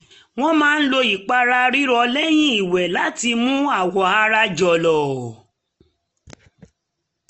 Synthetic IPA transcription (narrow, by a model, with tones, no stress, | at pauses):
w̃ɔ̃˦mãː˦n̩˦lo˧i˨k͡pa˧ɾa˧ɾi˦ɾɔ˧lɛ˦j̃ĩ˦i˨wɛ˨la˨˦ti˧mũ˦a˦˨wɔ˨a˧ɾa˧d͡ʒɔ˨lɔ˨